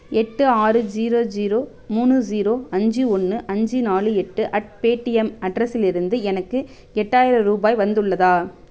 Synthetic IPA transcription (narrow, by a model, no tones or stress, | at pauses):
ɛʈːɯaːɾɯd͡ʒiːɾoːd͡ʒiːɾoː | muːnɯd͡ʒiːɾoːɐɲd͡ʒɯɔnːɯʔɐɲd͡ʒɯnaːlɯɛʈːɯʔɐʈ̚peːʈːɪɛmɐɖɾɐsɪlɪɾɯnd̪ɯɛnɐkːɯ | ɛʈːaːjɪɾɐɾuːbaːjʋɐnd̪ɯɭːɐðaː